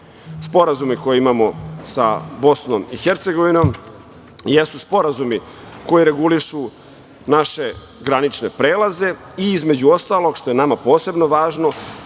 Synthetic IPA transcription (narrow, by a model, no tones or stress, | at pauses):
spo̞ɾazumiko̞jiimamo̞sa̰bo̞snomixeɾt̪se̞ɡo̞ʋino̞m | jesuspo̞ɾazumi | ko̞jiɾe̞ɡuliʃu | naʃe̞ | ɡɾanit͡ʃne̞pɾeːlˠaze̞ | iizme̞d͡ʑuo̞st̪aːlˠo̞ɡʃt̪o̞jenamapo̞ːse̞bno̞ʋaːʒno̞